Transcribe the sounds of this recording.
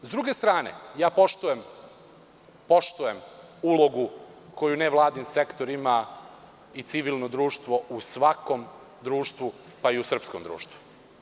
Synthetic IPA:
zd̪ɾuɡe̞st̪ɾaːnḛjaːpoʃt̪ujem | po̞ʃt̪ujemulo̞ɡu | ko̞juneʋlˠaːd̪ninsekt̪oɾima | it̪siʋilnod̪ɾuːʃt̪ʋo̞ʔusʋako̞m | d̪ɾuːʃt̪ʋu | paiusr̩psko̞md̪ɾṵːʃt̪ʋu̥

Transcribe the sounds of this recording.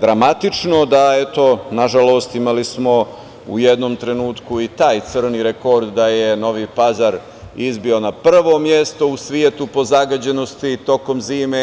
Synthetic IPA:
d̪ɾamat̪it͡ʃno̞d̪aet̪o̞naʒalo̞ːst̪imalismo̞ | ṵjed̪nomt̪ɾe̞nuːt̪kuit̪aːjt̪sɨr̩niɾeko̞ɾd̪ːaje̞no̞ʋipazaɾ | izbio̞napr̩ʋo̞mje̞st̪o̞usʋie̞t̪upo̞zaɡad͡ʑe̞no̞st̪it̪o̞ko̞mziːme

